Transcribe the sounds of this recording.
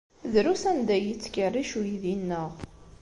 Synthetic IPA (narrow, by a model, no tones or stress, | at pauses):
ðɾusænd̪æjit͡sːkərːiʃujðinːəʁ